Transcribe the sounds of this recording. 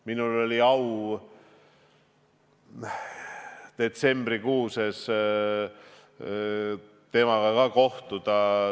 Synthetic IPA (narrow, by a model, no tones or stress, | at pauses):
minulo̞lʲiɑw | t̪e̞t̪se̞mbrikuːses | t̪e̞mɑɡɑkɑko̞ht̪ud̪̥ɑ